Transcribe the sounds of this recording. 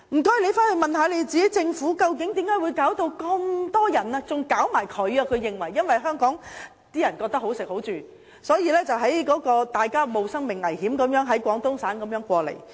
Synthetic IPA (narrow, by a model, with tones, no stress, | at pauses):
m̩˨˩kɔː˥jle˨˧jfaː˥nhe˨˩mɐ˨˩nhaː˨˧˥le˨˧jt͡siː˨ke˨˥jt͡sɪ˧ŋfuː˨˥kɐ˧wk̬ɪ˨˥ŋt̪iː˨˥mkaː˨˥jwuː˨˧jkaː˨˥wt̪o˧wkɐ˧mt̪ɔː˥jɐ˨˩naː˧t͡sʊ˨ŋkaː˨˥wmaː˨˩jkʰɵ˨˧ɥɐ˧kʰɵ˨˧ɥjɪ˨ŋwɐ˨˩jːɐ˥nwɐ˨jɦœː˥ŋkɔː˨˥ŋ | t̪iː˥jɐ˨˩nkɔː˧k̚t̪ɐ˥kho˨˥wsɪ˨k̚ho˨˥wt͡ʃyː˨ | sɔː˨˥jiː˨˧lɛː˥t͡sɐ˨wɦɐ˨˥jkɔː˨˥kɔː˧t̪aː˨jkaː˥mo˨wsɐ˥ŋmɪ˨ŋːɐ˨˩jhiː˨˥mkɐ˨˥mjœː˨˥ŋɦɐ˨˥jkʷɔː˨˥ŋt̪ʊ˥ŋsaː˨˥nkɐ˨˥mjœː˨˥ŋkʷɔː˧lḛ˨˩j